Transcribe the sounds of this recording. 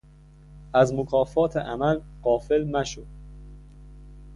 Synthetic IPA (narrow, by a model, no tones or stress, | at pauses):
ʔæzmokʰɒːfɒːt̪ʰeʔæmælɢ̥ɒːfe̞lnæʃod̪̥